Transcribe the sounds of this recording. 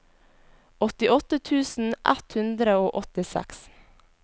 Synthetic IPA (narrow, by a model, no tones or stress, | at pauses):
ɔt̪ɪʔɔt̪ət̪ʰʉːsn̩ʔæ̰t̪hʉnd̪ɾəoːʔɔt̪ɪsæ̰ks